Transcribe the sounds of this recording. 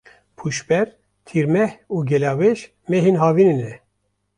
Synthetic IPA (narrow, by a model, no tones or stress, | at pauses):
pʰuʃbɛɾ | t̪ʰiɾmɛhuːɡɛlɑːweʃ | meɦenɦaːvininɛ